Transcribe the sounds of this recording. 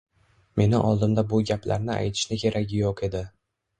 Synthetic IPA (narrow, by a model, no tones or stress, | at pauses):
me̞nɪʔɒlˠd̪ɪmd̪abʊɡʲapla̰ɾnɪa̰jt̪ʰɪ̥ʃnɪkʲʰe̞ɾʔakʲɪjoqʰe̞d̪ɪ